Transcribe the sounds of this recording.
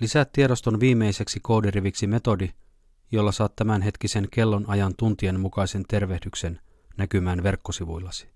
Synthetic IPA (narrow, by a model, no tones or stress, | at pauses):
lisæt̪ːie̞ɾo̞st̪o̞nʋiːmːe̞jse̞ksiko̞wdiriʋiksime̞t̪o̞di | jo̞lːɑsɑːt̪tæmænɦe̞t̪kise̞nke̞lːo̞nɑjɑnt̪unt̪ienmukɑjse̞nt̪e̞rʋe̞hdykse̞n | nækymæːnʋe̞rkːosiʋujlːɑsi̥